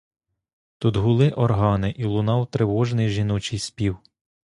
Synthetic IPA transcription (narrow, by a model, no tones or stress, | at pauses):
t̪ud̪ɦʊlˠɪʔɔrɦɑnɪʔilˠʊnɑwt̪ɾewɔʒnɪjʒinɔt͡ʃɪjspʲiw